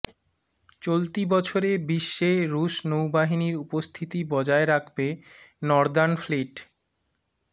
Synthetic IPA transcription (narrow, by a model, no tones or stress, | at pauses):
t͡ɕolt̪ibɔt͡ɕʰoɾebiʃːeɾuʃnowbaɦiniɾupost̪ʰit̪ibɔd͡ʑaeɾakʰbenɔɾd̪anfleʈ